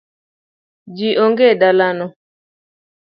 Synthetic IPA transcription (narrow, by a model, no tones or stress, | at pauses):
d͡ʒiʔoŋɡedalanɔ